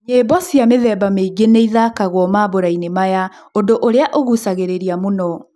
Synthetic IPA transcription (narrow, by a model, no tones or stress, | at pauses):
ɲebɔsijameðɛbameiɡeneiðakaɣwɔmaboɾainemaja | ondoʔoɾeaʔoɣusaɣeɾeɾiamonɔ